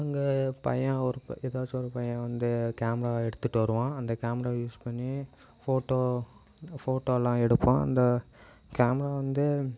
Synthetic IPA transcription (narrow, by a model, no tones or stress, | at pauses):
ɐŋɡepɐ̰jɐ̃ɔɾɯɛðaːt͡ʃːɔɾɯpɐjɐ̃ʋɐnd̪ɯkaːmɐɾaːɛɽɯt̪ːɯʈːɯʋɐɾɯʋãːɐnd̪ɐkaːmɐɾaːjuːspɐɳːi | foːʈːoː | foːʈːoːlãːɛɽɯpːõɐ̰nd̪ɐ | kaːmɾaːʋɐnd̪ɯ